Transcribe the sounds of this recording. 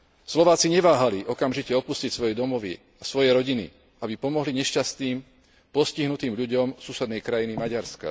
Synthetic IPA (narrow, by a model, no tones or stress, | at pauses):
slɔʋaːt͡siɲɛʋaːɦaliʔɔkamʒicɛɔpuscicsʋɔjɛd̪ɔmɔʋḭ | asʋɔjɛɾɔɟinḭ | abipɔmɔɦliɲɛʃcast̪niːm | pɔsciɦnut̪iːmʎuɟɔmsuːsɛd̪nɛjkɾajinimaɟaɾska̰